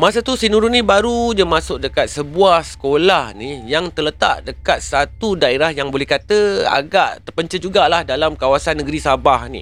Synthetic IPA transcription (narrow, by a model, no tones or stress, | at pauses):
masat̪usinuɾunĩbaɾuɲamasʊk̚dəkat̪̚səbuahsə̥kolahnijaŋt̪ələt̪a̰ʔdəkat̪̚sat̪udaeɾahjaŋbolɛhkat̪əa̰ɡaʔt̪ərpəɲt͡ʃəd͡ʒuɡalahdalamkawasanːəɡəɾisabahnḭ